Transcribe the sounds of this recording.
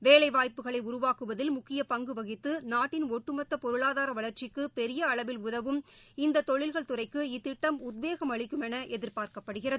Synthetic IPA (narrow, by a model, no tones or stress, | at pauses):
ʋeːlɐɪʋaːjpːɯɣɐɭɐɪʊɾʊʋaːkɯʋɐðɪlmʊkːɪjɐpɐŋɡɯʋɐɣɪt̪ːɯnaːʈːɪnoʈːɯmɐt̪ːɐpɔɾɯɭaːðaːɾɐʋɐɭɐɾt͡ʃɪkːɯpɛɾɪjɐɐɭɐʋɪlʊðɐʋɯmɪnd̪ɐt̪ɔɭɪlɣɐɭt̪ʊrɐɪkːɯɪt̪ːɪʈːɐmʊd̪ʋeːɣɐmɐɭɪkːɯmɛnɐʔɛðɪɾpaːɾkɐpːɐɽɯɣɪrɐðɯ